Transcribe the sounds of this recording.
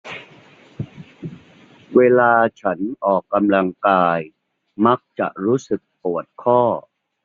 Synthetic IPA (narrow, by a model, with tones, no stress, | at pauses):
weː˧laː˧t͡ɕʰa˦˥nʔɔː˨˩kːa˧mla˧ŋkaː˧j | ma˦˥k̚t͡ɕa̰˨˩ʔɾuː˦˥sɯ˨˩k̚pu˨˩ət̪̚kʰɔː˥˩